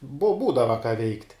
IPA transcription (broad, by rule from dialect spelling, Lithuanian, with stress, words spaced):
bʊ ˈbuːdɐʋɐ kɑː ʋʲɛɪktʲ